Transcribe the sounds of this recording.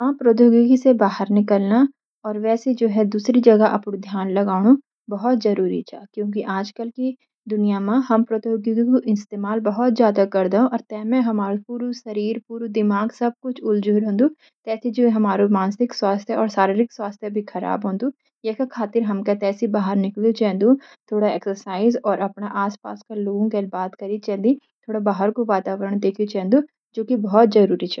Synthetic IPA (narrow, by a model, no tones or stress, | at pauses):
ɦãːpɾod̪oːɡɡisebaːɦəɾnɪkəlna | ɔːɾʋɛːsed͡ʒoːɦɛd̪uːsɾid͡ʒɐɡaʔɐpnũd̪ʱjaːnlɐɡaːɽ̃u | bɐɦɔt̪zɐɾuːɾḭt͡ʃʰa̰ːkjõːk̬iʔaːd͡ʒkəlki | d̪ʊnijamãɦɐmpɾəd̪oːɡiɡikoʔɪst̪eːmaːlbɐɦɔt̪zjaːd̪akɐɾd̪eɦõʔɔːɾt̪ɛːmɛ̃ɦɐmaːɾupuːɾusɐɾiːɾpuːɾud̪ɪmaːɡsɐb̚kʊt͡ʃʰʊld͡ʒuːɾɦõːnd̪ũ | t̪ɛːsid͡ʒoːɦɐmaːɾumaːnsɪkswaːst̪ʰjaɔːɾsaːɾiɾɪkswaːst̪ʰjabʱikʰɐɾa̰ːbɦõːnd̪uː | jeːkakʰaːt̪ɪɾɦɐmkat̪ɛːsibaːɦəɾnɪklit͡ʃɛːnd̪ũːt̪ʰoːɽaɛːksəɾsaːɪzɔːɾɐpnaʔaːspa̰ːskaloːɡõkelbaːt̪kəɾit͡ʃɛːnd̪i | t̪ʰoːɽabaːɦəɾkoʋaːt̪aːʋəɾəɳ̃d̪eːkʰit͡ʃɛ̃ːnd̪u | d͡ʒoːkibɔɦɔt̪̚zəɾuːɾit͡ʃʰɛː